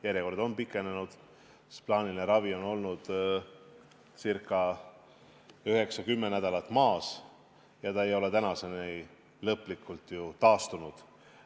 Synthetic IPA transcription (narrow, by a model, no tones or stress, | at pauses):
jæɾjeko̞rd̪o̞npikːˑe̞nenud̪̥ | splɑːnilneɾɑvio̞no̞lnud̪̥ | sirkˑːɑ | yɦe̞ksɑkymːenæd̪̥ɑlɑt̪ːˑmɑːs | jɑt̪ɑe̞jo̞le̞t̪ænɑse̞ne | lɤpːlikːˑult̪jut̪ɑːst̪unud̪̥